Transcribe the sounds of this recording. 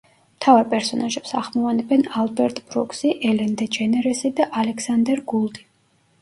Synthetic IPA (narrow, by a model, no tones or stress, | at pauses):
mt̪ʰavaɾpʼɛɾsɔnaʒɛpsaʁmɔvanɛbɛnalˠbɛɾt̪ʼbɾɔkʰʼsiʔɛlɛnd̪ɛd͡ʒɛnɛɾɛsid̪aʔalɛkʰsand̪ɛɾɡulˠd̪i